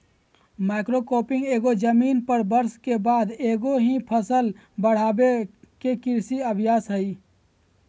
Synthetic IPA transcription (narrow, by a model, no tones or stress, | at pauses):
maːɪkɾokoːpɪ̃ŋɡeːɡod͡ʒəmiːnpəɾbəɾskebaːd̪eːɡoɦĩpʰəsəl | bəɽ̤aːbekekɪɾsiəbʱjaːsɦəi